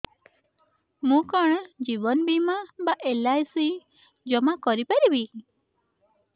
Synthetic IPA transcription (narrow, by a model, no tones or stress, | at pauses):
mũkaɽ̃ɔ̃d͡ʒibɔnbimabaʔelajsi | d͡ʒɔmakɔɾipaɾibi